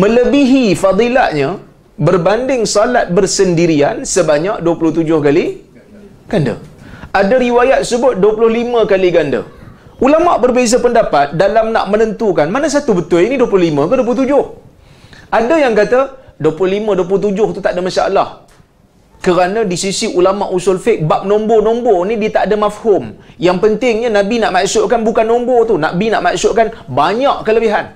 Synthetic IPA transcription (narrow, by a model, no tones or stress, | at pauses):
mə̃ləbiɦifɑd̪ˤila̰ʔɲə̃ | bərbandɪŋsalat̪̚bərsəndiɾiansəbaɲaʔ̚duəpulʊht̪ud͡ʒʊhkali | ɡ̥andə̰ʔadəɾiwajat̪̚səbʊt̪̚duəpulʊhlimə̃kaliɡandə̰ulamaʔbərbezapəndapat̪̚dalamna̰ʔmənənt̪ukanmanəs̬at̪ubət̪ʊliniduəp̬ulʊhlimə̃kənduəpuʊt̪ud͡ʒʊh | ʔadəjaŋkat̪aduəpulʊhlimə̃duwəplʊht̪̬ud͡ʒʊht̪ut̪aʔdəmasa̰ʔlah | kəɾanə̃disisiʔulamaʔusʊlfɪʔ̚bap̚nɔmbonɔmbonidiət̪aʔdəmafhʊmjaŋpənt̪ɪŋɲanãbinaʔmaʔsʊʔkanbukanːɔmbɔt̪una̰ʔbina̰ʔmaʔsʊʔkanbaɲaʔkələbiɦan